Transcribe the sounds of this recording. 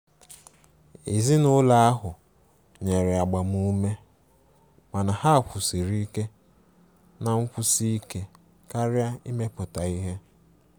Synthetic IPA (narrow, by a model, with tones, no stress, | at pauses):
e˨zi˦nʊ˦la˦a˦ɦʊ˨ | ɲe˨ɾɪ˨a˨ɡ͡ba˨mu˦me˦ | ma˨na˨ha˦˨kʷʰʊ˨si˨ɾi˦ke˦ | na˨ŋ͡m̩˦kʷʊ˦si˦i˦ke˦ | ka˦ɾɪ˦a˦i˦me˦pʊ˨ta˨i˦ɦe˦